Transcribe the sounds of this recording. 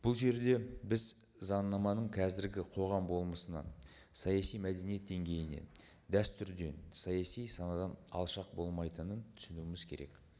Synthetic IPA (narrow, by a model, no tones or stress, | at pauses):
b̥ʊlˠʒe̞ɾd̪e̞bɪz | zɑnːɑmɑnəɴqʰɑzɪɾɡʲɪqʰo̞ʁɑmbo̞lˠməsənɑ̰ | sɑjɑsijmæd̪e̞nije̞t̪̚d̪e̞ŋɡʲe̞jɪne̞̰n | d̪æst̪ʏɾd̪e̞̰nsɑjɑsijsɑnɑd̪ɑnɑ̰lˠʃɑq̚bo̞lˠmɑjt̪ənənt̪ʰʏ̥sɪnuɪmɪz̥kʲʰe̞ɾe̞̰k